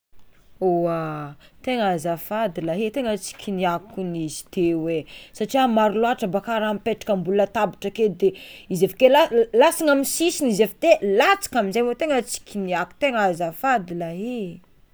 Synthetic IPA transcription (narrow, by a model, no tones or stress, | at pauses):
oat̪eŋazafad̪ilaɦet̪eŋət͡si̥kʰʲiniakunizi̥t̪ewesaʈ͡ʂiamaɾuloaʈ͡ʂəbakaɾampeʈ͡ʂḁkəmbulət̪abiʈ͡ʂəked̪eizefḁkelalasiŋamisisinizevat̪elat͡si̥kʲaminzajmot̪eŋət͡si̥kʲiniaku̥t̪eŋazafad̪ilaɦe